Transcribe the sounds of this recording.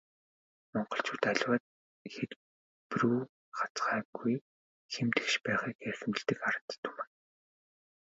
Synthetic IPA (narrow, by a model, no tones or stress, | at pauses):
mɔɴɢɞ̆ɬt͡ɕʰuːt̪aɮʲwaːt̪̚ | xet̪ | pruː | χḁt͡sχaːɡuj | xemt̪ɘ̥̆kʃpæːχiːkersɘ̆mt͡ɕ̆ɮt̪ɘ̆kaɾə̆t̪t̪ʰːu̥mɘ̆n